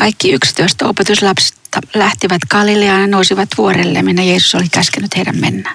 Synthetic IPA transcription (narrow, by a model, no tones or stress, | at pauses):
kɑikːiykst̪yøist̪opet̪uslɑpse̥t̪ɑlæht̪iʋæt̪kɑlileɑnɑnousiʋɑt̪ʋuorelːḛminːæjeːsu̥solikkæskenyt̪heiɾæ̰mmenːæː